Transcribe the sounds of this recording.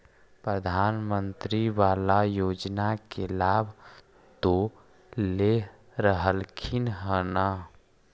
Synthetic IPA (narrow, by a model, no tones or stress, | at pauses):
pɾəd̪ʱaːnmənt̪ɾiʋalajoːd͡ʒnakelabʱ | t̪o | le | ɾəɦəlkʰinɦəna